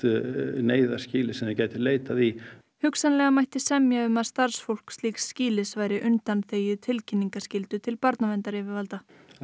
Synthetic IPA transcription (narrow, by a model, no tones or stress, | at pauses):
neːjðasciːlɪsɛmðɪcaːjt̪ɪleːjt̪aði | hʏksanlɛɣamajht̪ɪsɛmjaʏmaðst̪aɾ̥sfowl̥kst̪liːksːciːlɪsvaːjɾɪʔʏnt̪anθeːjʏt̪ʰɪlcʰɪnːiŋkascɪlt̪ʏt̪ʰɪlpaɾt̪navɛnt̪aɾɛvɪvalt̪a